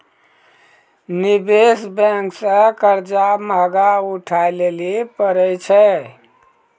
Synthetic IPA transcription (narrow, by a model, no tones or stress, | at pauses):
nibesbɛ̃ŋksə̃kəɾd͡ʒaməɡauʈʰajlelipəɾəjt͡ʃʰɛ